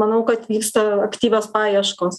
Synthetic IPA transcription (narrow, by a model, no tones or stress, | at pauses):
mɐnɐʊkɐt̪ʋʲiːkst̪ɐɐkt̪ʲiːʋʲoːspɑːjɛʃkoːs